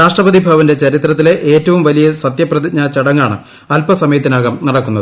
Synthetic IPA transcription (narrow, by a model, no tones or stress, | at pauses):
ɾaːʂʈrɐbɐðibʱɐʋɐnde̞t͡ɕɐɾit̪rɐt̪ːile̞ʔeːtːɐʋumʋɐlijɐsɐt̪jɐprɐðiɲaːt͡ɕːɐɽɐŋːaːɳɨ | ɐlpɐsɐmɐjɐt̪ːinaːɣɐmnɐɽɐkːunːɐðɨ